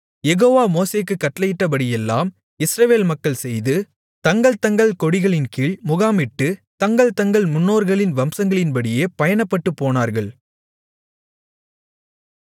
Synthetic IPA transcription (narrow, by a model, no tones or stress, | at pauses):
jɛɣoːʋaːmoːseːkːɯkːɐʈːlɐjɪʈːɐp̬ɐɽɪjɛlːaːm | ɪsɾɐʋeːlmɐkːɐɭsɛjðɯ | t̪ɐŋɡɐɭt̪ɐŋɡɐɭkɔɽɪɣɐɭɪnkiːɭmʊɣaːmɪʈːɯt̪ɐŋɡɐɭt̪ɐŋɡɐɭmʊnːoːɾɣɐɭɪnʋɐmsɐŋɡɐɭɪnpɐɽɪjeːpɐjɐnɐpːɐʈːɯpːoːnaːɾɣɐɭ